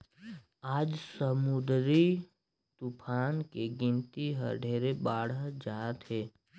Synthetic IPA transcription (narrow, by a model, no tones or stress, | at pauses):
aːd͡ʒsəmʊd̪ɾi | t̪upʰaːnkeɡɪ̃nt̪iɦə̰ɖʱeːɾebaːɽəd͡ʒaːt̪ɦeː